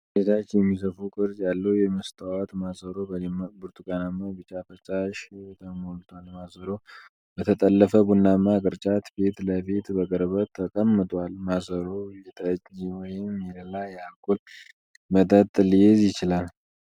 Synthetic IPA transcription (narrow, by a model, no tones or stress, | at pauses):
det̪ʰat͡ʃːjɛmːis̬əfukʼɨɾd͡ʒʼjalːəwjɛməst̪ʰʼawat̪masəɾobɨɾt̪ʰukʼənamːabɨt͡ʃʼːafət͡ʃʼaʃt̪ʰəmolt̪ʰwalmasəɾow | bət̪ʰət̪ʼəlːəfəbunːamːakʼɨɾt͡ʃʼat̪be̞t̪ləfit̪bəkʼəɾbət̪t̪ʰːəkʼəmːɨt̪ʼwalmasəɾowjɛt̪ʼət͡ʃʼːiwɔjɪmjɛləlajɛakʼːul | mət̪ʼət̪ʼːlɨjezjɪt͡ʃɪlal